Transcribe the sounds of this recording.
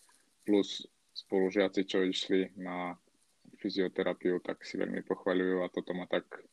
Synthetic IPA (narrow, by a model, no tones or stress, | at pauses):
plus | spɔluʒɪat͡sit͡ʃɔiʃlina | fiziɔt̪ɛɾapiut̪a̰ksiʋɛ̰lʎmʔḭpɔxʋaʎujuat̪ɔt̪ɔmat̪ak